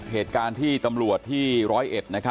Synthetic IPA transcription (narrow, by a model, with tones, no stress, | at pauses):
heː˨˩t̪̚kaː˧nt̪ʰiː˥˩t̪a˧mɾu˨˩ət̪ʰːiː˥˩ɾɔː˦˥jʔe˨˩t̪̚na˦˥kʰa˦˥